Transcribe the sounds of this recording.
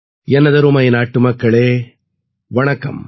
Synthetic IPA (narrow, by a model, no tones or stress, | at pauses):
ɛnːɐðɐɾɯmɐjnaːʈːɯmɐkːɐɭeː | ʋɐɳɐkːɐ̰m